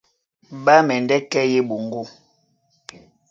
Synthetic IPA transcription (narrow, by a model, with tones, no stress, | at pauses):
ba˦mɛ˨ndɛ˦kɛ˦je˦bo˨ŋ˦ɡo˦˨